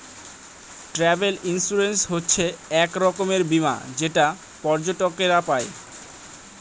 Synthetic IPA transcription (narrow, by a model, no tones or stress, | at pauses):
ʈɾɛbelinsuɾensɦotːɕʰeɛkɾɔkomeɾbima̰d͡ʑeʈa | pɔɾd͡ʑoʈokeɾapae